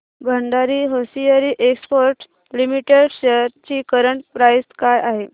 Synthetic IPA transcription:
bʱəɳɖaɾiːɦosijəɾiːʔekspoɾʈ | limiʈeɽɕeɾt͡ɕiːkəɾəɳʈ̚pɾajskajaɦe

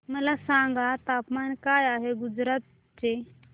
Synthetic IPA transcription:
məlasãŋɡat̪apmankajaɦeɡud͡zɾat̪̚ | t͡ɕe

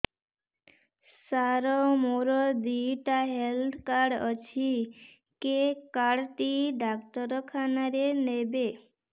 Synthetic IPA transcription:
saɾɔmoɾɔd̪iʈaɦeld̪kaɖət͡ʃʰi | kekaɽt̪iɖakt̪ɔɾɔkʰanaɾenebe

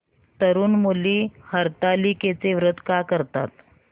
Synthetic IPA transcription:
t̪əɾuːnmuliːhəɾt̪aliket͡seʋɾət̪kakəɾt̪a̰t̪

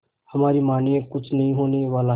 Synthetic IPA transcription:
həmaːɾiːmaːniẽkʊt͡ʃʰnəɦĩɦoːneʋaːlaː

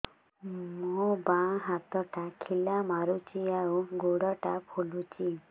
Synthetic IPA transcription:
mobãɦat̪ɔʈakʰilamaɾut͡ʃiauɡoɽɔʈapʰulut͡ʃi

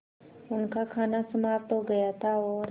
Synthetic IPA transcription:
ʊnkakʰaːnasəmaːpt̪ɦoɡɐjat̪ʰaɔːɾ

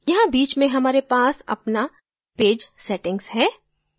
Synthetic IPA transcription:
jɐɦãbiːt͡ʃmẽɦɐmaːɾepaːsɐ̰pna | peːd͡ʒsɛʈɪ̃ŋɡz̥ɦɛː

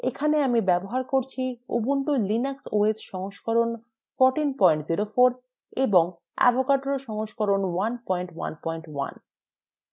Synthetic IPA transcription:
ekʰaneamibɛboɦaɾkoɾt͡ɕʰiṵbuɳʈolinaksoesʃɔŋoʃkoɾon | foɾʈinpɔjɳʈziɾofoɾ | eboŋ | a̰bʱokaɖɾoʃɔŋoʃkoɾonwanpɔjɳʈwa̰npɔjɳʈwa̰n

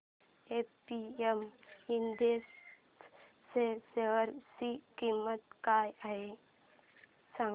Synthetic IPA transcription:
epiemind̪es | seseəɾsikimːət̪̚kajaɦe | sã

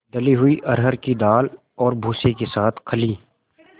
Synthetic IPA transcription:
d̪ɐliɦʊiʔɐɾɦəɾkid̪aːl | ɔːɾbʱuːsekesaːt̪ʰkʰɐliː

